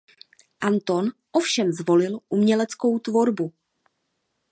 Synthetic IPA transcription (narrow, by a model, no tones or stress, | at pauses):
ʔant̪o̞nʔo̞fʃɛmzvo̞lɪlʔumɲɛlɛt͡sko̞wt̪vo̞ɾbu